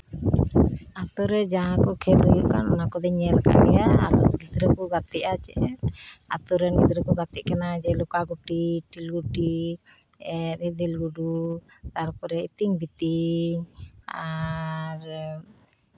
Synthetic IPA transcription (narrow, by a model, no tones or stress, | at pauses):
at̪ɔɾɛd͡ʒaɦãkɔkʰɛlujuʔka̰nɔnakɔd̪ɛɲɛlka̰ʔlɛjaa̰t̪ɔɾɡid̪ɾəkɔɡat̪ɛʔat͡ʃɛʔɛɾa̰t̪ɔɾɛnid̪ɾəkɔɡat̪ɛʔkanad͡ʒɛlɔkaɡuʈiʈilɡuʈi | ɛɾɛd̪ilɡuɖut̪aɾpɔɾɛit̪iŋbit̪iɲa | ɾ